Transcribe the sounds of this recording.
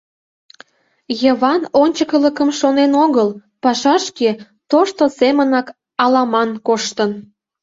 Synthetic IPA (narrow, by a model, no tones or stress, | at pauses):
jəβɑnonʲt͡ɕəkələkəmʃonenoɣəlpɑʃɑʃke | t̪oʃt̪osemənɑk | ɑlɑmɑnkoʃt̪ən